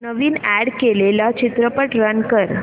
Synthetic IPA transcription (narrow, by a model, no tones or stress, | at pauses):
nəʋiːnæɽkelelat͡ɕit̪ɾəpəʈɾənkəɾ